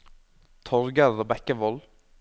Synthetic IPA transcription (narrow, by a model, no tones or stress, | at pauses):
t̪ʰɔɾɡəɾðəbɛkəʋɔl